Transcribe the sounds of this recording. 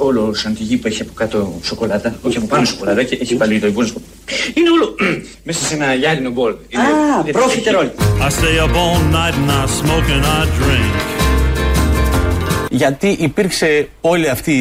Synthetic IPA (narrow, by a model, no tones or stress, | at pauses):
o̞losɐnt̪iʝipue̞çiɐpo̞̥kɐt̪oso̞ko̞lɐt̪ɐo̞çiɐpopɐɾumeso̞ko̞lɐt̪ɐceeçivɐliit̪oibonoso | ineo̞lo | me̞sɐse̞nɐʝɐɾino̞bo̞linapɾofit̪eɾoliaɪseɪəbõʊnːaɪtn̩asmoʊkɨ̃naɪdɹɪ̃ŋk | ʝɐt̪iʔipiɾkse̞o̞liɐft̪i